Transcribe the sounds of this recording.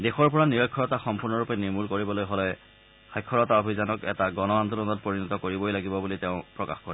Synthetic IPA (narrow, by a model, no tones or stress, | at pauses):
dexɔɹpɔɹaniɹɔkʰːɔɹɔtaxɔmpuɹnɔɹupɛniɹmulkoɹibɔlojɦolɛ | xajkʰːɔɹɔtaobʱizanɔkɛ̰taɡɔnɔand̪olɔnɔt̚poɹinɔtɔkoɹibojlaɡibɔbuliteʊ̃pɹɔka̰xkoɹi